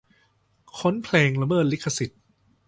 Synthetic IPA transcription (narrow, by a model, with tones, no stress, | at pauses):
kʰo˦˥npʰlɛː˧ŋla˧mɤː˥˩t̪̚li˦˥kʰːa˧si˨˩t̪̚